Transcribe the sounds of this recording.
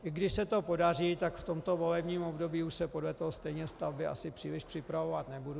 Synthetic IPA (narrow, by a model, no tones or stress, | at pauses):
ʔɪɡdɪʃsɛt̪o̞po̞dar̝iːt̪akft̪o̞mt̪o̞vo̞lɛbɲiːmo̞bdo̞biːuʃsɛpodlɛt̪oɦost̪ɛjɲɛst̪avbɪʔa̰sɪpr̥iːlɪʃpr̥ɪpɾavo̞vat̪nɛbudu